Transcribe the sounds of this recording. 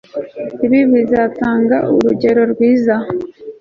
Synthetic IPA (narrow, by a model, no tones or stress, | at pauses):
iβiβizataːŋɡaʔuɾuɟe̞ɾo̞ɾɡwiːza